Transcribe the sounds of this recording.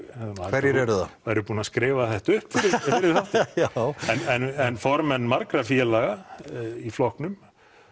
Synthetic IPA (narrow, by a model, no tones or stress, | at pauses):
ɛavɛɾjɪɾɛɾʏðavajɾʏpuːnaskɾɪːvaθɛht̪aʏhpfɪɾɪfɪɾɪɾ̥θaht̪ | ɛnɛnɛnfɔɾmɛnːmaɾkɾafjɛlaɣaiflɔhknʏm